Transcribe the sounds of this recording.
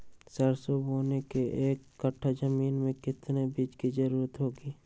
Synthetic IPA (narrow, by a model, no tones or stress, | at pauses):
səɾsoboːnekeʔeːkːəʈʰːad͡ʒəmiːnmẽkɪt̪nebiːt͡ʃkid͡ʒəɾuːɾət̪ɦoːɡiː